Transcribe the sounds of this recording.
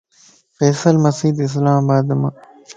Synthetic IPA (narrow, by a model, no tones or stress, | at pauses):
fɛːsɐlmɐsiːd̪ɪs̬laːmabaːd̪ɐmɐ